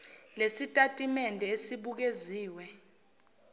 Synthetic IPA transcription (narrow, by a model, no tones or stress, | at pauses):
lesitʼatʼimɛndʱɛesiɓuk̬eziːwɛ